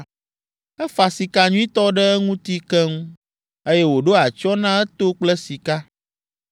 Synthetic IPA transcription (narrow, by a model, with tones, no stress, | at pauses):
ɛ˦fa˨si˨ka˨ɲũ˦ĩ˦t̪ɔ˦ɖɛ˦ɛ˦ŋũ˦t̪i˦kɛ˦ŋũ˦ | e˦jɛ˦wo˨ɖo˦a˨t͡ʃɔ˦nã˦ɛ˦t̪o˦k͡plɛ˦si˨ka˦